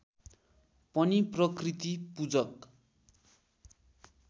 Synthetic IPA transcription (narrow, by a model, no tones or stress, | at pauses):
pʌniprʌkrit̪ipud͡zʌk